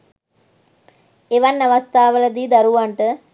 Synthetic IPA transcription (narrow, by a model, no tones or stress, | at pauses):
eʋanːaʋast̪aːʋələd̪iːd̪aɾuʋaɳʈə